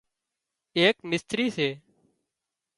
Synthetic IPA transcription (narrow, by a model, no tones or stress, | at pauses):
eːkmɪst̪ɾiːseː